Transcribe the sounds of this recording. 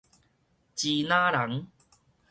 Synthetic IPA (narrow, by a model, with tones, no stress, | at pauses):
t͡ɕi˧nãː˦ɾa˨˦ŋ